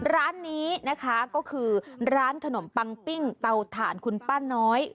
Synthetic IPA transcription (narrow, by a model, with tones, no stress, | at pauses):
ɾaː˦˥nːiː˦˥na˦˥kʰa˦˥kɔː˥˩kʰɯː˧ɾaː˦˥nkʰa˧no˩˦mpa˧ŋpi˥˩ŋt̪a˧wt̪ʰaː˩˦nkʰu˧npaː˥˩nːɔː˦˥j